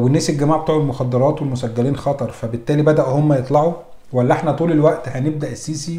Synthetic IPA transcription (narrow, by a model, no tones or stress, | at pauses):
wenːæːselɡæmaːʕbet̪uːʕelmoxɑd̪ːɑɾˤɑːt̪welmosæɡːæliːnxɑt̪ˤɑɾˤfæbet̪ːæːlibæd̪æʔhomːæjet̪ˤlɑʕu | wælːæʔeħnæt̪ˤuːlelwæʔt̪hæneb̚d̪æʔesːiːsi